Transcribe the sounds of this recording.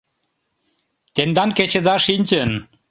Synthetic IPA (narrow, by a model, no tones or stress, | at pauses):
t̪end̪ɑnket͡ɕed̪ɑʃinʲt͡ɕən